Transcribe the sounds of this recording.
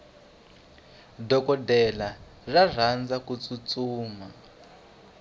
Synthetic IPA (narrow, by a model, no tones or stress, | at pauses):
dɔkɔdɛla | rar̤and͡zakut͡sut͡suːma